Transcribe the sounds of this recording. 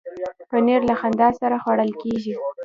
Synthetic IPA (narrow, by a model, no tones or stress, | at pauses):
pəneɾlaxand̪ɑsaɾaxwaɽəlkeʒi